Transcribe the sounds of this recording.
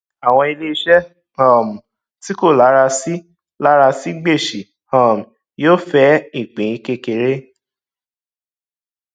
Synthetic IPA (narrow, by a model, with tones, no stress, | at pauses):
a˨w̃ɔ̃˧i˧le˦i˦ʃɛ˦ | hɔ̃˦˨mũ˨ | ti˦ko˦˨la˨˦ɾa˧si˦ | la˦ɾa˧si˦ɡ͡be˦˨ʃi˨ | hɔ̃˦˨m̩˨ | joː˦fɛ˦i˦˨k͡pĩ˨i˦ke˧ke˨ɾe˦